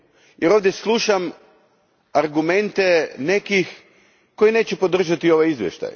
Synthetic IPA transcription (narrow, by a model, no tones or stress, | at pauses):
jʔeɾo̞ʋd̪jeslˠuʃam | aɾɡume̞nt̪e̞ne̞kix | ko̞jine̞ːt͡ɕɛpo̞d̪r̩ʒat̪io̞ʋajizʋjḛʃt̪a̰j